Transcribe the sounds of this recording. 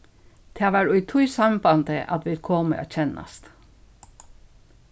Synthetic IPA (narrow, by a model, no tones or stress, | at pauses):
d̪̥ʰeɑːʋæːɹʉʏt̪ʰʊʏsɑmbɑnt̪əʔɑt̪ʋɪlkʰɔːmə̰ʔo̰ːc͡çɛnɑ̰st̪